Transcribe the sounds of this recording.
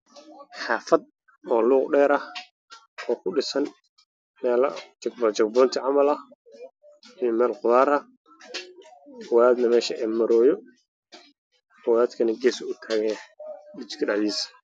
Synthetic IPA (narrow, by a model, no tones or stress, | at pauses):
ħɑːfɐd̪̚ | ɔːluːqɖɛːɾɐh | ɔːkʰʊɖɪsɐn | mɛːlɐ̰t͡ʃɐɡbt͡ʃɐɡ̚bɔːnt̪ʰɪʕɑmɐlɐh | ijɔmɛːlqʊðaːɾɐ | wɐðaːd̪nɐmɛːʃɐʔɛːmɐɾɔːjɔ | ɔːwðaːd̪kʰɐnɐɡɛːsʊt̪ʰaːɣɛɗɪt͡ʃkʰɐɖɑʕdiːs